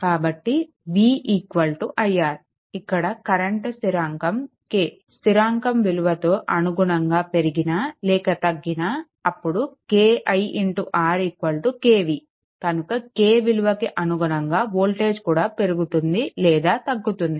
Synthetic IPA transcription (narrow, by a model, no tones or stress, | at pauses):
kaːbɐʈːi | ʋiːiːkʋɐlʈuʔɐjaːɾ | ikːɐɽɐkɐɾeɳʈsiɾaːŋkɐm | keː | siɾaːŋkɐmʋiluʋɐt̪o̞ːʔɐnuɡuɳɐŋɡaːpe̞ɾiɡinɐlɛːkɐt̪ɐɡːinɐ | ɐpːuɽukeːʔɐjiɳʈuʔaːɾiːkʋɐlʈukeːʋi | kɐnukɐkeːʋiluʋɐkiʔɐnuɡuɳɐŋɡaːʋoːlʈe̞ːd͡ʒkuːɽaːpe̞ɾuɡut̪und̪ilɛːd̪aːt̪ɐɡːut̪und̪i